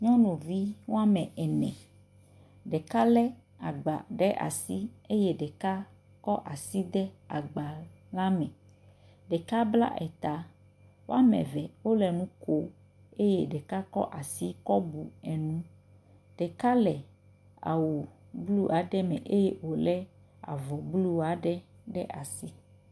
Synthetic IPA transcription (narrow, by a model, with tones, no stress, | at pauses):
ɲɔ̃˦nõ˨vi˦wo˦a˦mɛ̃˨ɛ˨nɛ̰̃˨ | ɖɛ˨ka˦lɛ˦ | a˨ɡ͡ba˨ɖɛ˦ʔa̰˨si˦e˦je˦ɖɛ˨ka˦ | kɔ˦ʔa˨si˦d̪ɛ˦a˨ɡ͡ba˨ | la˦mɛ̃˨ | ɖɛ˨ka˦bla̰˦ʔɛ˨t̪a˨ | wo˦a˦mɛ̰̃˨vɛ˨wo˦lɛ˨nũ˦ko˦ | e˦je˦ɖɛ˨ka˦kɔ̰˦ʔa˨si˦kɔ˦bu˨ɛ˨nũ˦ | ɖ̥ɛ˨ka˦lɛ˨ | a̰˨wu˨ | blu˦a˨ɖɛ˦mɛ̰̃˨ʔe˦je˦wo˨lɛ˦ | a̰˨vɔ˨blu˦a˨ɖɛ˦ | ɖɛ˦ʔa˨si˦